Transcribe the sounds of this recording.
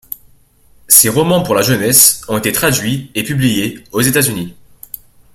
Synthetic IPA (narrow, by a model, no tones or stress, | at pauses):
seʁɔmɑ̃puʁlaʒənɛsɔ̃et̪et̪χad̪ɥiepyblijeozet̪azyni